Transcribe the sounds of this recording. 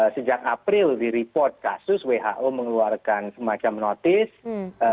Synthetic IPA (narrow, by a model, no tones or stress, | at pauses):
səd͡ʒakapɾɪldiɾipɔrt̪̚ka̰sʊsweɦa̰ʔoməŋəluarkansəmat͡ʃamnɔt̪ɪs